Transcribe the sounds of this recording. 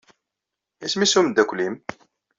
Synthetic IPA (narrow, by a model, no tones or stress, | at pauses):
æsmisumd̪ːækʷːlim